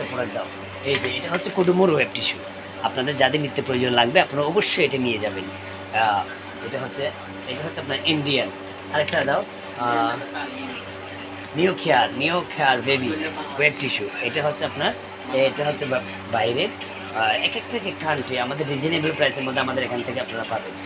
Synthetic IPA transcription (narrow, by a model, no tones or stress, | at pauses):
apɔɽaɡd̪ao | ejʈieʈaɦotːɕʰekoɖumoɾweb̚ʈiʃu | apnad̪eɾd͡ʑad̪emit̪ːopɾojod͡ʑonlaɡbeapnaɾaɔboʃːojeʈanied͡ʑabeni | eʈaɦotːɕʰe | ejʈaɦotːɕʰapnaɾiɳɖian | aɾɛk̚ʈad̪ao | niokʰːeaɾnijokʰːeaɾbebiwebʈiʃuejʈaɦotːɕʰeapnaɾ | eʈaɦotːɕʰe | bajɾe | ɛkɛk̚ʈakekkːaɳʈiamad̪eɾːid͡ʑinebelpɾajseɾmod̪ʱeamad̪eɾekʰant̪ʰekeapnaɾapaben